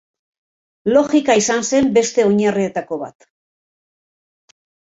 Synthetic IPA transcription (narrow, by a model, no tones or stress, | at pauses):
lo̞ɣikaisanse̞mbe̞st̪e̞o̞ɲarie̞t̪ako̞βa̰t̪